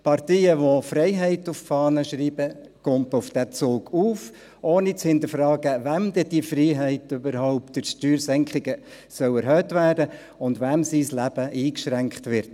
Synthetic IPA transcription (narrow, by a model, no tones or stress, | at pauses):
pʰɑrtiːəʋofrɛɪɦɛɪtʊffɑːnəʃriːbə | kɔntʊfd̥æt͡soːɡuːf | ʔoːnit͡shɪnt̪əfrɑːɡəvæmd̥̪ɛd̥ifriːɦɛɪtøbəɾhɔʊp̚tɪʃtyːɾsɛŋkχɪɡ̥ə | sœʊɛɾɦøːtʋæːrdə | ʊndʋæmsislæb̥əʔiːkʃɾæŋkχtʋɪɾt